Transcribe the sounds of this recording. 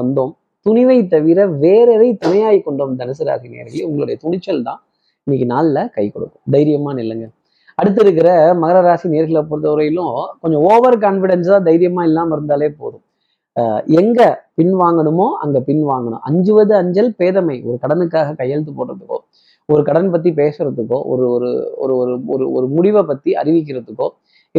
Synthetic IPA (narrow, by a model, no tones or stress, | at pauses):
ɐnd̪oːm | t̪ʊnɪʋɐɪt̪ːɐʋɪɾɐʋeːɾɐʋɐɪt̪ʊnɐjaːjikːɔɳɖoːmd̪ɐnɐs̬ɯɾa̰ːsinḛːɐɾɣɐlʊŋɡɐɭɯɽɐjɐt̪ʊɳɪt͡ʃːɐlt̪ã̰ː | ɪnːɪkːɯnaːllɐkɐɪkɔ̰ɽɯ̰kːʊ̥̃md̪ɐjɪɾɪjɐmaːnɪlːɐŋɡɐ | ɐɽɯt̪̬ːɪɾɯk̬ːɪɾɐmɐɣɐɾɐɾaːsineːɐɾɣɐɭɐpːɯɾɯðɐɾɐjɪlʊ̃kɔɲd͡ʒɔ̃oːʋɐɾk̬aːnfɪɽɐnst̪ãːd̪ɐjɪɾɪjɐmaːɪlːaːmɪɾɯnd̪aːleːpo̰ːðʊ̃m | ɛŋɡɐpɪnʋaːŋɡɐɳɯmoːɐ̰ŋɡɐpɪnʋaːŋɡɐɳʊ̰̃ʔɐ̰ɲd͡ʒɯʋɐðɯɐɲd͡ʒɐlpeːðɐmɐɪʔɔɾɯkɐɽɐnɯk̬ːaːɣɐkɐjːɐɭt̪̬ːɯpoːʈɾɐðɯkːõ̰ː | ɔɾɯkɐɽɐnpɐt̪̬ːipeːsɯɾɐðɯkːõ̰ːʔɔ̰ɾɯɔɾɯ̰ɔ̰ɾɯɔɾɯɔ̰ɾɯɔ̰ɾɯmʊɽɪʋɐpːɐt̪ːiɐ̰ɾɪʋɪk̬ːɪɾɐðɯkːõː | ɪ